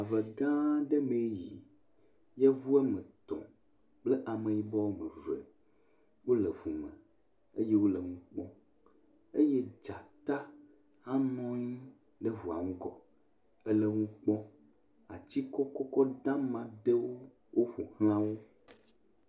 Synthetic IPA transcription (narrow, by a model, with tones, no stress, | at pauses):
a˨ve˨ɡã˦ɖe˦me˨˦ji˨ | jɛ˦vu˦ɛ˦mẽ˨t̪ɔ̰̃˨ | k͡ple˦ʔa˨mẽ˨ji˨˦bɔ˦wo˦mẽ˨vḛ˨ | wo˦le˨vu˨mḛ̃˨ | e˦je˦wo˦le˨ŋũ˦k͡pɔ̃˦ | e˦je˦d͡ʒa˨t̪a˦ | ha˦nɔ̃˦ɲi˦ | ɖe˦vu˨a̰˨ŋũ˦ɡɔ˨ | ɛ˦le˦ŋũ˦k͡pɔ̃˦ | a̰˨t͡ɕi˦kɔ˦kɔ˦kɔ˦d̪ã˦mã˨ɖe˦wo˦ | wo˦ɸu˨hl̃ã˦wo˦